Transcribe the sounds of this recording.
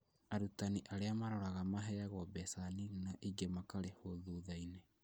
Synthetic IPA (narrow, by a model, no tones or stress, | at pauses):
aɾutaniʔaɾeamaɾɔɾaɣamaɦɛjaɣɔbɛsaninaʔiɡemakaɾehoðuðaine